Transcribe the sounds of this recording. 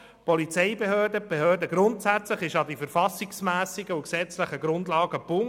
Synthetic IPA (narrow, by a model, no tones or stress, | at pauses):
pɔlit͡sɛɪbeɦøːdəb̥ehøːdəɡɾʊntsæt͡sləχɪʃɑdifəɾfɑsɪksmæːsɪɡəuksɛt͡sləχəɡɾʊndlɑːɡ̥əpʊŋ